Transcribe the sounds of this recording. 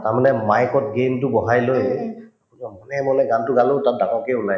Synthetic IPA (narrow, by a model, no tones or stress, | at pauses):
taɹmanɛmajkɔt̚ɡemtʊbɔɦajloj | uɔmɔnɛmɔnɛɡantʊɡalotat̚daŋɔkeʊnaj